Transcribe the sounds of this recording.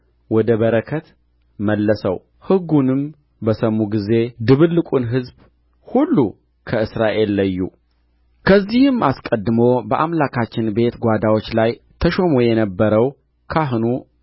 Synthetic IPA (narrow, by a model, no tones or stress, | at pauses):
wɔd̪əβəɾəkʰət̪ | məlːəsə̰w | hɨɡunɨm | bəsəmːuɡize̞d̪ɨβɨlːɨkʷʼunɦɨzb | hulːu | kʰəɨsɾaʔe̞lːəjːṵ | kʰəzːihɨmaskʼəd̪ːɨmo̞bəʔamlakʰat͡ʃːɪnbe̞t̪ɡʷad̪awo̞t͡ʃːlaj | t̪ʰəʃomojɛnəbːəɾəw | kʰaɦnu